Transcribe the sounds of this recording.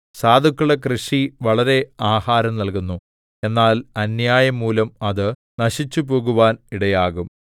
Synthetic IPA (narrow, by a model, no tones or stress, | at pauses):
saːd̪ʱukːuɭekrɨʂiʋɐɭɐɾe̞aːhaːɾɐmnɐlkunːu | e̞nːaːlɐnjaːjɐmːuːlɐmɐðɨ | nɐɕit͡ɕːupo̞ːɣuʋaːniɽɐjaːɣum